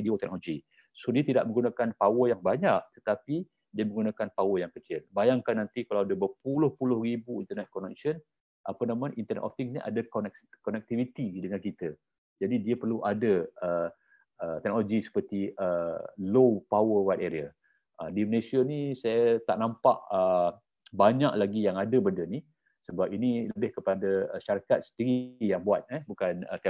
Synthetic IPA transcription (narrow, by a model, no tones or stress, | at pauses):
diɔʔt̪ɛk̚nɔloɡi | sodiat̪ida̰ʔ̚mə̃ŋɡunakanpawəjaŋbaɲaʔt̪ə̥t̪api | diəməŋɡunakanpawəjaŋkət͡ʃɪlbajaŋkanːant̪ikalawadəbəpulʊhpulʊhribuint̪ənɛt̪̚kɔnɛk̚sən | ʔapənamãʔint̪ərnɛ̰ʔɔft̪iŋsniʔa̰dakɔnɛk̚kɔnɛk̚t̪ivit̪idəŋankit̪ə | d͡ʒadidiapərluʔadəə | ət̪ɛk̚noloɡisə̥pərt̪iəlopawəwajt̪eɾia | ədiməlesianisajat̪a̰ʔnampa̰ʔə | baɲaklaɡijaŋadəbəndəni | səbap̚iniləbɪhkəpadaəʃaɾakat̪̚sə̥diɾijaŋbuat̪̚ɛhbukanə̰t̪ɛ